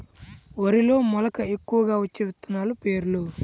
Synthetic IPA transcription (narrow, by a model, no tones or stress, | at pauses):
ʋɐɾilo̞ːmɔlɐkɐe̞kːuʋɐɡaːʋɐt͡ʃːeʋit̪ːɐnaːlupe̞ːɾulu